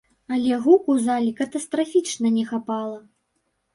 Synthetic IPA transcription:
ɐlʲɛɣukuzalʲikɐt̪ɐst̪ɾafʲit͡ʂnɐnʲɛxapalˠɐ

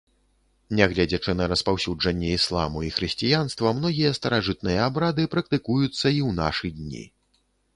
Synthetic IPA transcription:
nʲɛɣlʲɛd͡zʲɐt͡ʂɨnɐɾɐspawsʲud͡ʐɐnʲːɛislˠa̰muixɾɨsʲt͡sʲijanst̪vɐmnɔɣʲijɐst̪ɐɾaʐɨt̪̚nɨjɐabɾad̪ɨpɾɐkt̪ɨkujut̪sːɐiwna̰ʂɨd̪ʲnʲḭ

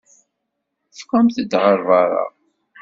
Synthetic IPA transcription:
fqæmθəd̪ʁəɾˤvɑɾˤɑ̰

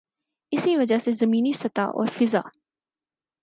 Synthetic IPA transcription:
ɪsiʋɐd͡ʒasezɐmiːnisɐt̪a̰ʔɔ̰ːɾfɪza̰ː

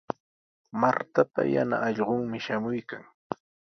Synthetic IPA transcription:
maɾt̪apa̰ja̰naʔːʎɢʊŋmɪʃamʊjkaŋ

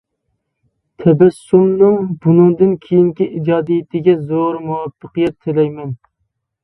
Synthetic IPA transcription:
t̪ʰɛbɛsːumnɨŋbunɨŋd̪ɨnkʲʰejiŋkʲiʔid͡ʒɑːd̪ijɪt̪ʰɪɡʲɛzoɾmuwɑpʰːəqijɛt̪ʰːelɛjmɛn

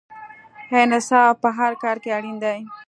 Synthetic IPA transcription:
henasɑpəɦaɾkɑɾkeaɽind̪aj

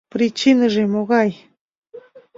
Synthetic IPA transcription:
pɾɪt͡ʃɪnəʐɪmoɣɑj

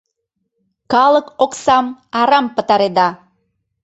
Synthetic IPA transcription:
kɑlˠəkoksɑmɑɾɑmpə̆t̪ɑɾed̪ɑ

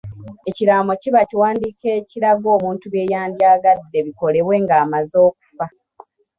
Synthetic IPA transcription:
e̞ciɾaːmo̞ciβaciwaːndiːke̞ːciɾaɡo̞ːβuːntuβe̞ːjaːmbjaːɡadːe̞βiko̞le̞βwe̞ːŋɡaːmazo̞ːk̚u̥fa

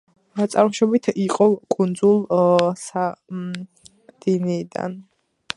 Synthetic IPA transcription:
t̪sʼaɾmʃɔbit̪ʰiqʼɔkʼund̪zulˠsa | d̪̥iniːd̪a̰n

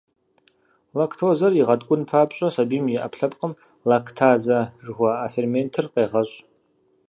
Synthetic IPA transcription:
lakʰtʰoːzɐriʁɐdkʷʼʊnpʰaːpʼɕʼɐsabiːmjɛʔa̰pʰɬɐpʼqʼəm | lakʰtʰaːzɐʐɨʁʷɐafermeːntʰɨrqʼeːʁɐɕʼ

